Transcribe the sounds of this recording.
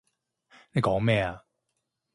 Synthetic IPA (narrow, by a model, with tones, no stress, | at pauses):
ne˨˧jkɔː˨˥ŋmɛː˥˧˩a˨